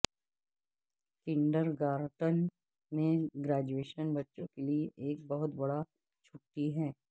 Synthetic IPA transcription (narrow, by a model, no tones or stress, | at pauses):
kɪ̃ɳɖəɾɡaːɾʈən | mẽɡɾaːd͡ʒueːʃənbɐtːʃõkelieʔeːkbɐɦʊt̪bɐɽa | t͡ʃʰʊʈːiɦɛː